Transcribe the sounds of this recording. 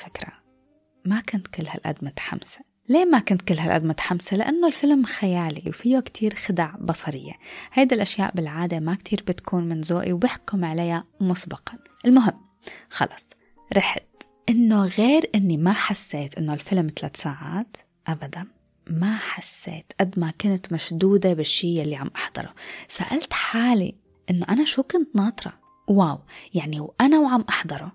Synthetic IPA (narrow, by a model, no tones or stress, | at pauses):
fɪkɾɑ̰ | makʊnt̪kʊlːha̰lʔa̰d̪mat̪ħa̰mse̥ | leːmakʊnt̪kʊlːhalʔa̰d̪mat̪ħamselɪʔanːolfɪlmxajaːlḭwfijakt̪ʰiːɾxɪd̪aʕbɑsˤɑɾɪjːḛhajd̪ilʔaʃja̰ːʔbɪlʕaːd̪emakt̪ʰiːɾbɪt̪kʰuːnmɪnzoːʔiwbɪħkʊmʕalajamʊsbɑqɑ | ʔɪlmʊɦɪmː | xɑ̰lɑsˤ | ɾɪħt̪ | ʔɪnːoɣeːɾʔɪnːimaħasːeːt̪ʔɪnːolfɪlmt̪alaːt̪saːʕa̰ːt̪ | ʔabad̪an | maħasːḛːt̪ʔad̪makʊnt̪maʃd̪uːd̪abɪʃːiːjalːiʕamʔɑħd̪̥ˤɑ̰ɾˤṵsaʔalt̪ħaːlḭ | ʔɪnːoʔanaʃuːkʊnt̪nɑːt̪ˤɾˤɑ̰ | waːwjaʕniwʔanawʕamʔɑħd̪ˤɑɾˤo